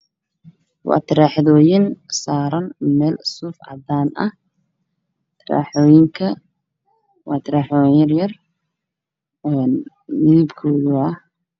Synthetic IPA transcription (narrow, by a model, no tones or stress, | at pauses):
wɑ̰ːt̪ʰɪɾaːħðɔːjɪnsaːɾɐnmɛːlsʊfɐ̰d̪aːnʔɐh | t̪ʰɪra̰ːħɔːjɪŋkʰɐ | wɑːt̪ʰɪɾaːħɔːjjjɐrjɐr | ɛn | mɪðibkʰɔːðʊɐ